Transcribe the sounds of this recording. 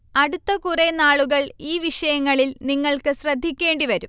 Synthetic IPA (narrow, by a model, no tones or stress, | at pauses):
ɐɽut̪ːɐkurenaːɭuɣɐɭiːʋiʂɐjɐŋːɐɭilniŋːɐɭkɨɕrɐd̪ʱːikʲːe̞ːɳɖiʋɐɾum